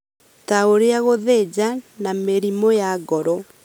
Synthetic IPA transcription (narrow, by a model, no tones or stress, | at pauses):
taoɾeaɣoðed͡ʑanameɾimojaɡɔɾɔ